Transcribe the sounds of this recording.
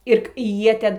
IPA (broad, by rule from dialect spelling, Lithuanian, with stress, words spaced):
ɪr ˈjiɛ ˈtʲɛn